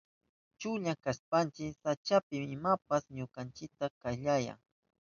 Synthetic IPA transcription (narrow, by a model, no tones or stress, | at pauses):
t͡ʃʊʎakaspant͡ʃɪsat͡ʃapɪmɪmapasɲokant͡ʃɪk̚t̪akaʎaja̰ŋ